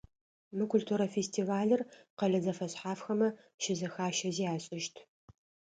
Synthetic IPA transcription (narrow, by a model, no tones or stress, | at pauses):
mɨkʷʰʊltʰuːɾɐfeːstʰiːvaːɮɨrqɐɮɐzɐfɐɕħaːfxɐmɐ | ʃɪzɐxaːʃɐziːaːɕʼɪʃtʰ